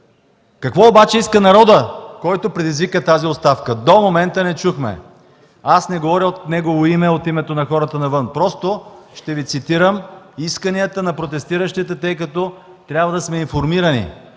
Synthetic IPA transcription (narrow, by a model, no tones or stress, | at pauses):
kɐkvɔobat͡ʃɛiskənɐɾɔd̪əkɔjt̪opɾɛd̪izvikət̪aziotst̪afkəd̪omomɛnt̪ənɛt͡ʃuxmɛ̰ | asnɛɡovɔɾʲiot̪nɛɡovoimɛot̪imɛt̪onɐxɔɾət̪ənɐvɤnpɾɔst̪oʃt̪ɛvit̪sit̪iɾəmiskəniət̪ənɐpɾot̪ɛst̪iɾəʃt̪it̪ɛt̪ɤjkɐt̪ɔ | t̪ɾʲjabvɐd̪ɐsmɛinfoɾmiɾənḭ